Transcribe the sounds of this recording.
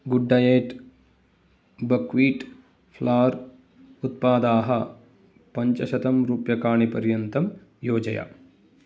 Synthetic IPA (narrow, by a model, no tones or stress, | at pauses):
ɡuɖːɐjeːʈ | bɐkʋiːʈ | pʰlaːɾ | ut̪paːd̪aːɦɐ | pɐɲt͡ʃɐʃɐt̪ɐmɾuːpjɐkaːɳipɐɾjɐnt̪ɐm | joːd͡ʒɐja̰